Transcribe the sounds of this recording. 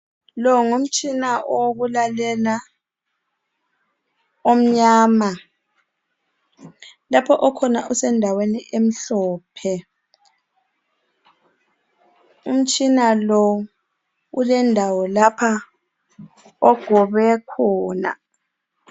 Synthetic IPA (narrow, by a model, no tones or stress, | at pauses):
lɔŋum̩t͡ʃʼinaʔoɣulalɛla | om̩ɲaːma | lapʰɔʔɔkʰɔnaʔusɛndʱaweniʔem̩ɬɔːpʰɛ | ṵm̩t͡ʃʼinalɔ | ulɛndʱawɔlapʰa | ɔɡ̥ʱɔβɛkʰɔːna̰